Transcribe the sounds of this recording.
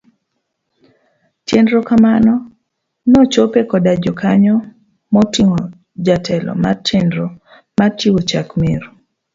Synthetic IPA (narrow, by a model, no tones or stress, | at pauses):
tjendɾɔkamanɔ | nɔt͡ʃopekɔdad͡ʒɔkaɲɔ | mɔtiŋɔ | d͡ʒatʰɛlɔ̰ma̰rtjendɾɔ | matiwot͡ʃakmeɾ